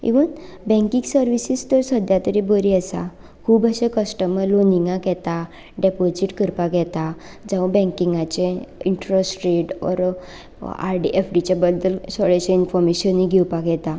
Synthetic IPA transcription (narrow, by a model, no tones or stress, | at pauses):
ḭʋənbɛ̃ŋkĩŋɡsəɾʋisist̪əɾsəd̪ʱjat̪əɾibəɾiəsa̰ | kʰuːbəɕekəsʈəməloniŋɡãkɛt̪a | ɖepod͡ziʈkəɾpaɡɛt̪a | d͡zãbɛ̃ŋkiŋɡat͡ɕeiɳʈɾəsʈɾiʈɔ̰ɾ | a̰ɾɖiʔefɖit͡ɕabəd̪ːəlsəɭeɕainfɔɾmeɕəniɡʱɛwpaɡɛt̪a